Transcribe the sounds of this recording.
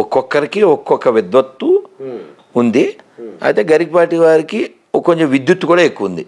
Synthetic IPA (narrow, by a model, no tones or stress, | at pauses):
ɔkːɔkːɐɾikiɔkːɔkːɐʋid̪ʋɐt̪ʋuː | nd̪ia̰t̪eːɡɐɾiɡ̚paːɾʈiʋaːɾiki | ɔkːɐkoɲt͡ʃemʋid̪jut̪ːukuːɽaːekːuʋund̪i